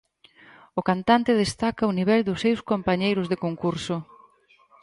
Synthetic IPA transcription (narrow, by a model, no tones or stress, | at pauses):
ʊkant̪ant̪ɪðest̪akɐʊniβɛld̪ʊsewskompaɲejɾʊzðekoŋkuɾsʊ